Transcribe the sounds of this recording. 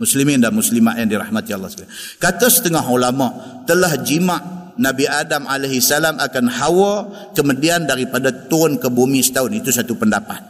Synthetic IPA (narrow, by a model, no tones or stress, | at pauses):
muslimɪndanmuslimaʔjaŋdiɾahmat̪jalːaslakat̪əsə̥t̪əŋaɦulama | t̪əlahd͡ʒimaʔnabiadamalaɦisalamʔakanhawə | kəmudiandaɾipadat̪ʊnkəbomisə̥t̪aʊnit̪usat̪upəndapat̪̚